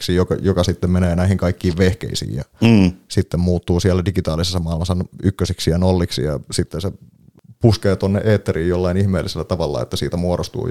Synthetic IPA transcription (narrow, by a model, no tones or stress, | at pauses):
ksijokɑ̰jokɑsit̪ːemmeneːnæihiŋkɑikːiːʋʋehkḛisḭːjjɑsit̪ːemmuːt̪ːuːsiælːædiɡit̪ɑːlisesːɑmɑːilmɑsːɑnykːøsiksijɑnolːiksḭjɑ̰sit̪ːense | puskeːt̪onːeʔeːt̪ːæriːjjolːɑinihmeːlːiselːæt̪ɑʋɑlːɑ̰ḛt̪ːæsiːt̪æmuoɾost̪ṵː